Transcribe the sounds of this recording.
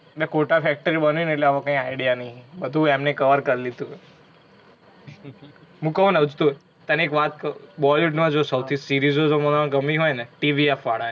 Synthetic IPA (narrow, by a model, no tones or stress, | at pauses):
mɛkoʈafɛk̚ʈəɾibənʋineʈleaʋãkãĩaiɽijanəɦĩbəd̪ʱũemnekəʋəɾkəɾilid̪ũɦ | ɦũkəũnəʋəd͡ʒt̪uɦoj | t̪əniekʋat̪kbɔluʈmãd͡ʒosəwt̪ʰisiɾizod͡ʒomənãɡəmiɦɔjneʈiʋiafaɽa